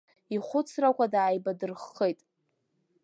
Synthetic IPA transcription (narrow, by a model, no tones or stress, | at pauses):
iχʷʊt͡sʰrakʷʰadaːjbadɨrχːejtʼ